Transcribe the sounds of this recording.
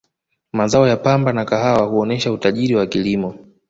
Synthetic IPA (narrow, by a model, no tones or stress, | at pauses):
mazaɔjapambanakaɦawahuɔnɛʃautaʄiɾiwakilimɔ